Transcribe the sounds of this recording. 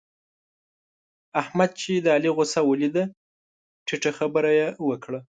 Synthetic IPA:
ahmad̪̚t͡ʃed̪əaliɣʊsawəlid̪a | ʈʰiʈaxabəɾajewəkɽa

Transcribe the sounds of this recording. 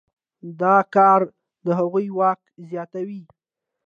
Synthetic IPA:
d̪ɑkɑɾ | d̪əɦaɣujwɑkzjɑt̪awi

